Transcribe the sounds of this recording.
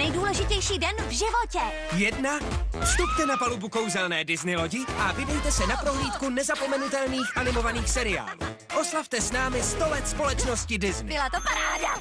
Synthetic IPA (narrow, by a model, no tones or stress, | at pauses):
ɛjduːlɛʒɪcɛjʃiːdɛnvʒɪvocɛ | jɛdnafst̪up̚t̪ɛnapalubukowzɛlnɛːdɪznɪlo̞ɟɪʔavɪdɛjt̪ɛsɛnapɾo̞ɦliːt̪kunɛzapo̞mɛnut̪ɛlniːxʔanɪmo̞vaniːxsɛɾɪa̰ːlṵː | ʔo̞slaft̪ɛsnaːmɪst̪o̞lɛt̪spo̞lɛt͡ʃno̞scɪdɪznɪbɪlat̪opaɾaːda